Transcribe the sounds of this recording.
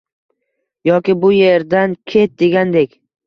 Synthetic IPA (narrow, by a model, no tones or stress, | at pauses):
jɒkʲɪbʊje̞ɾd̪ankʲʰe̞t̪̚d̪e̞ɡʲand̪e̞kʲ